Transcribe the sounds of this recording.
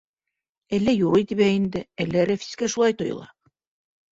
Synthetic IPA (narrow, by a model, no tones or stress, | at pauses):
ælːæjuɾojt̪iβæind̪ɘælːæɾæfi̥skæʃulˠɑjt̪ŏjɤ̰̆lˠɑ